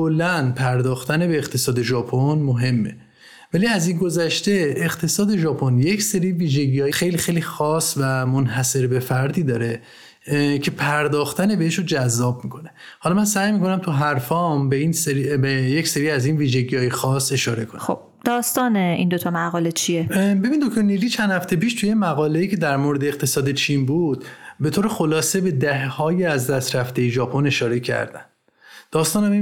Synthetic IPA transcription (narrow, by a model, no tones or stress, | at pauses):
kʰolːænpʰæɾd̪ɒːxt̪ʰænebeːqt̪ʰe̞sɒːd̪e̞ʒɒːpʰonmoɦe̞mːe | væliæzinɡo̞zæʃt̪e̞eɣt̪ʰe̞sɒːd̪e̞ʒɒːpʰonjecʰse̞ɾiːviːʒe̞ɟiːjɒːjexejliːxejliːxɒːsvæmonɦæse̞ɾbe̞fæɾd̪iːd̪ɒːɾe | cʰe̞pʰæɾd̪ɒːxt̪ænebeeʃod͡ʒæzːɒːb̚miːkʰo̞nehɒːlɒmænsæjmiːko̞næmt̪ʰuɦæɾfɒːmbeinseɾibejecseɾiːæzinviːʒe̞ɟijɒːjexɒːse̞ʃɒːɾe̞kʰono̰b̚ | d̪̥ɒːst̪ɒːneʔḭnd̪ot̪ʰɒmæɣɒːlet͡ʃʰiebebind̪okt̪oɾniliːt͡ʃʰænd̪hæft̪epiːʃt̪ʰujemæɣɒːle̞iːcʰe̞d̪æɾmoɾed̪eːqt̪ʰe̞sɒːd̪e̞t͡ʃʰiːnbud̪̥̚be̞t̪ʰoːɾexo̞lɒːse̞be̞d̪æhhɒːjeæzd̪æst̪ɾæft̪ejeʒɒːpʰo̞ne̞ʃɒːɾe̞cʰæ̰ɾd̪æ̰nd̥̪ | d̪̥ɒːst̪ɒːnæmi